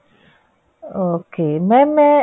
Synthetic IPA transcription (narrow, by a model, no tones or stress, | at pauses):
okememe